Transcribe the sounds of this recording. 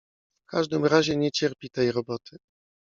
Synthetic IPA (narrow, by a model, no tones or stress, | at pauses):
fkaʐd̪ɘmɾaʑɛɲɛt͡ɕɛɾpʲit̪ɛjɾɔbɔt̪ʰɘ